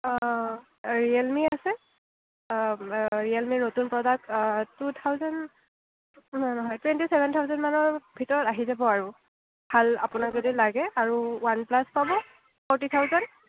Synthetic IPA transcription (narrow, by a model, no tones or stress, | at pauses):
ɹialmiasɛ | ɹialminotunpɹɔdaktut̪ʰawzan | nnɔɦɔjtwɛntisɛbʱɛntʰaʊzɔnmanɔɹbʱitɔɹɔtaɦizabɔaɹu | bʱala̰pʊnakzodilaɡɛaɹuwanplaspabɔ | pʰɔɹtit̪ʰawzɔn